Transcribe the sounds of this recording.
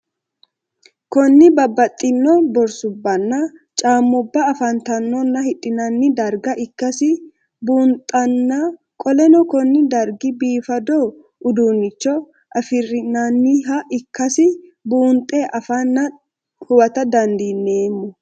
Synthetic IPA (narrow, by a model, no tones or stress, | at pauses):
kɔnːɪbɐbːɐt̪ʼːɪnːɔbɔɾsʊbːɐnːɐt͡ʃʼaːmːʊbːɐːfɐnt̪ɐnːɔnːɐhɪᶑɪnɐnːɪd̪ɐɾɡɐʔɪkːɐsɪ | buːnt̪ʼːɐnːɐ | kʼɔlɛnɔkɔnːɪd̪ɐɾɡɪbiːfɐd̪ɔ | ʊd̪uːnːɪt͡ʃːɔ | ʔɐfɪrɪnɐnːɪɦɐʔɪkːɐsɪbuːnt̪ʼːeːʔɐfanːɐ | hʊwɐt̪ɐd̪ɐnd̪inːeːmːʊ